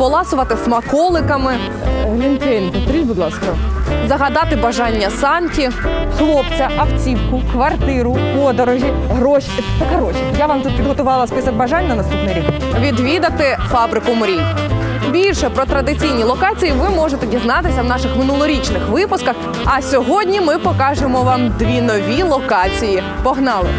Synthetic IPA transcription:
pɔlˠɑsʊʋɐt̪ɪsmɐkɔlˠɪkɐmɪ | lʲint̪ɛnʲd̪ɔt̪ɾʲidʲbʊd̪lˠɑskɔzɐɦɐd̪ɑt̪ɪbɐʒɑnʲːɐsɑntʲixlˠɔpt͡sʲɐʔɐpt͡sʲiwkʊkʋɐrt̪ɪɾʊpɔd̪ɔɾɔʒʲi | ɦɾɔʃit̪ɐkɐɾɔʃijaʋɑmt̪ut̪̚pʲid̪ɦɔt̪ʊʋɑlˠɐspɨsɐɡ̚bɐʒɑnʲːɐnɐst̪upnɪɾʲi | ʋʲid̪ʋʲid̪ɐt̪ɪfɑbɾɪkʊmʊɾʲibʲilʲʃɛpɾɔt̪ɾɐd̪ɪt͡sʲijnʲilˠɔkɑt͡sʲijiʋɪmɔʒet̪edʲiznɑt̪ɪsʲɐwnɑʃɪxmɪnulˠɔɾʲit͡ʃnɪxʋɪpʊskɐx | ɐsʲɔɦɔdʲnʲimɪpɔkɑʒemɔʋɑmd̪ʋʲinɔʋʲilˠɔkɑt͡sʲiji | pɔɦnɑlˠɪ̰

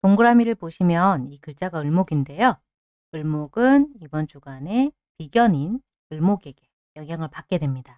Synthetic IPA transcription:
toŋɡɯɾamiɾɯɭpoɕʰimjʌnikɯɭt͡ɕ͈aɡaɯɭmoɡinde̞jo | ɯɭmoɡɯnibʌnt͡ɕuɡane̞ | piɡjʌɲin | ɯɭmoɡe̞ɡe̞ | jʌŋɡjaŋɯɭpak͈̚e̞dwe̞mɲida

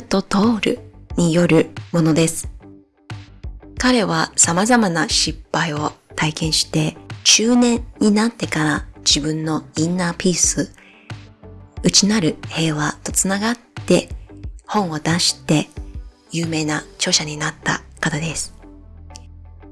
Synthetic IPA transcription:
t̪o̞t̪o̞ːɾɯ̟̰ɲ̟ijo̞ɾɯ̟mo̞no̞d̪e̞sɨ̥ | kaɾe̞β̞asamazamanaɕipːaio̞t̪aikẽ̞ɰ̃ɕi̥t̪e̞t͡ɕɨːnẽ̞ɲːinat̪ːe̞kaɾad͡ʑibɯ̟̃nːo̞ĩnːaːpʲiːsɨ | ɯ̟t͡ɕinaɾɯ̟he̞ːβat̪o̞t͡sɨnaɡat̪ːe̞hõ̞ɰ̃o̞d̪aɕi̥t̪e̞ | jɯːme̞ːnat͡ɕo̞ːɕaɲ̟inat̪ːa̰kat̪ad̪e̞sɨ̥

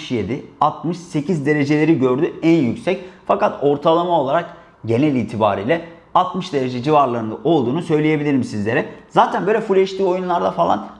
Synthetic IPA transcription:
ʃje̞d̪ɪat̪mɯʃse̞cʰizd̪e̞ɾe̞d͡ʒe̞lʲe̞ɾiɟø̞ɾd̪yænjycsɛcfakat̪o̞ɾt̪ʰalˠamao̞lˠaɾak | ɟe̞nɛlʲiːt̪ʰiba̰ːɾiːlʲɛ | at̪mɯʃd̪e̞ɾe̞d͡ʒed͡ʒivaɾlˠaɾɯnd̪aʔo̞lˠd̪uːnusø̞jlʲeje̞bilʲiɾimsizlʲe̞ɾɛzaːt̪ʰænbøjlʲɛfuɾlʲeʃt̪ʰiːo̞junlˠaɾd̪afalˠa̰n

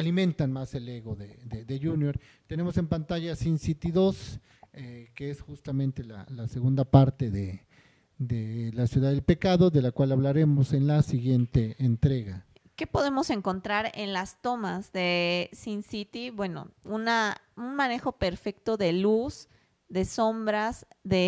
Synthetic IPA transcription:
alimẽ̞nt̪anmase̞leɣo̞ðeðeðeʝunjoɾ | t̪e̞ne̞mo̞se̞mpant̪aʝasinsit̪iðo̞s | ekeesxust̪amẽnt̪e̞la̰laseɣund̪apaɾt̪e̞ðe | d̪elasjuðaðelpe̞kaðo̞ðe̞lakwalaβlaɾe̞mo̞se̞nlasiɣje̞nt̪eent̪ɾe̞ɣa | ke̞po̞ðe̞mo̞se̞ŋko̞nt̪ɾaɾe̞nlast̪o̞mazðe̞sinsit̪ibwe̞no̞̰unaunmãne̞xo̞pe̞ɾfe̞kt̪o̞ðe̞luz | ðe̞so̞mbɾazðe

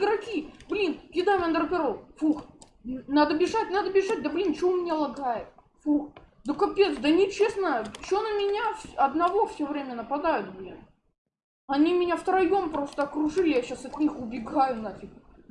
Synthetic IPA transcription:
d̪ɾɐkʲiblʲinjɪd̪ajand̪ɾəpʲɪɾofux | nad̪əbʲɪʐatʲnad̪əbʲɪʐat̚ʲd̪əblʲint͡ɕɪomʲɪnʲalˠɐɡajɪt̪̚ | fuxd̪əkɐpʲet̪sd̪ənʲɪt͡ɕesnajʊt͡ɕɪonəmʲɪnʲafsɐd̪nɐvo̞fsʲovɾʲemʲənəpɐd̪ajʊt̪̚blʲin | ɐnʲimʲɪnʲaft̪ɾɐjo̞mpɾo̞st̪əɐkɾʊʐɨlʲɪjaɕasɐt̪ʲnʲixʊbʲɪɡajʊnafʲɪkʲ

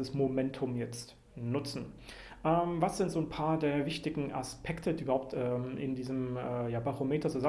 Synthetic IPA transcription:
əsmomɛntʰʊmjɛt͡st | nʊt͡sn̩ | ʔɛːmvasz̥ɪntz̥oːnpʰaːɐdeːɐvɪçtɪɡŋ̩ʔa̰spʰɛktʰədiʔybɐhaʊp̚tɛːmʔɪ̰ndiːzəmɛːjaːbaʁomeːtɐt͡suza

